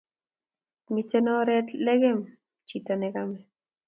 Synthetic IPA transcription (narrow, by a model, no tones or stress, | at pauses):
mit͡senoɾet͡ɬleɡem | t͡ʃit̪onekame